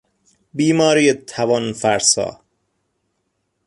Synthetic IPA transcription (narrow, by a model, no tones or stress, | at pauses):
biːmɒːɾiːet̪ʰːævɒnfæɾsɒ̰ː